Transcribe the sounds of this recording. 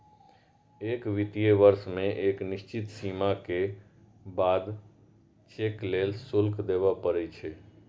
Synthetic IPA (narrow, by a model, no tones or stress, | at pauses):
eːkʋit̪ijeʋəɾsmẽʔeknist͡ʃit̪simake | bad̪ | t͡ʃeklelsulkd̪ebapəɾɛt͡ʃʰɛ